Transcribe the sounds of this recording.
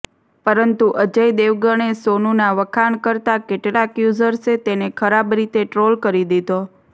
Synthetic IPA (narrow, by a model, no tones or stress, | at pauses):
pəɾənt̪uʔəd͡ʒəjd̪eʋɡəɳ̃esonunaʋəkʰaɳkəɾt̪akeʈɭakjuzəɾset̪enekʰəɾabɾit̪eʈɾolkəɾid̪id̪o